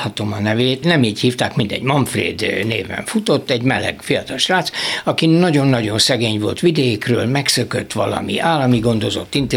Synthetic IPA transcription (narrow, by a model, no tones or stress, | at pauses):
hɒt̪o̞mɒnɛveːt̪nɛmiːchiːft̪aːkmind̪ɛ̰ɟmɒɱfrḛːd̪nḛːvɛ̰ɱfut̪o̞t̪ːɛɟmɛlɛ̰ɡfijɒt̪ɒlʃraːt̪sɒkinːɒɟo̞nːɒɟo̞nsɛɡeːɲvo̞̰lt̪ʋid̪ɛkrø̰ːlmɛksøkøt̪ːʋɒ̰lɒ̰mḭʔaːlːɒmiɡo̞nd̪o̞zo̞̰t̪ːint̪